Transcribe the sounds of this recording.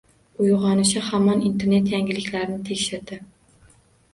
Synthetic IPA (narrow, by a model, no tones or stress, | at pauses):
ʊjʁɒnɪʃɪhamɒnint̪ʰe̞ɾne̞t̪jaŋʲɪlɪkʲlaɾɪnɪt̪ʰekʲʃɪɾd̪ɪ